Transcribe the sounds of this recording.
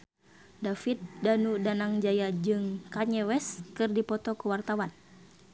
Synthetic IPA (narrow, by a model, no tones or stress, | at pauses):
dafit̪̚danudanaŋd͡ʒajad͡ʒɨŋkaɲɛwɛskɨrdipɔt̪ɔkuwart̪awan